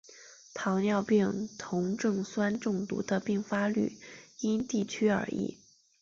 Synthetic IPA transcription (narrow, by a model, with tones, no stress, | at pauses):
t̪ʰɑ˧˥ŋnjɑ˥˧ʊpi˥˧˩ŋt̪ʰʊ˧˥ŋʈ͡ʂɤ˥˩ŋswa˥nʈ͡ʂʊ˥˩ŋt̪ṵ˧˥d̪ə˧pi˥˩ŋfa˥ly̰˥˩i˥nt̪i˥˩t͡ɕʰy˥ə̰˞˧˥ḭ˥˩